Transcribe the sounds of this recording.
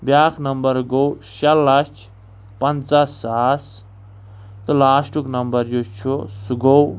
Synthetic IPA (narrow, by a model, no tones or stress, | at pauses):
bjaːkʰnʌmbʌɾɡowsalːast͡ʃʰ | pɐnt͡sasas | t̪ulaːsʈuknʌmbʌɾjot͡ʃʰusuɡow